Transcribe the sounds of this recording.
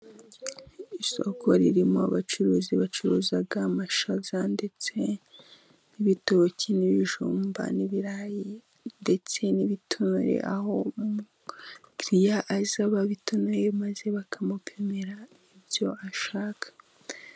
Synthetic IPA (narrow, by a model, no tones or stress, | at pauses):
iso̞̰kʰoɾiɾimoa̰βat͡ʃuɾuziβat͡ʃuɾuzaɡamaʃazandet͡se | niβitoβocʰiniβiʒuːmba̰niβiɾaji | nde̞t͡se̞niβitʰonuɾḛʔaho̞mumu | kɾijaʔːzaβaβitonuɾemaze̞βakʰamupʰe̞me̞ɾa | ibjo̞aʃaːkʰḁ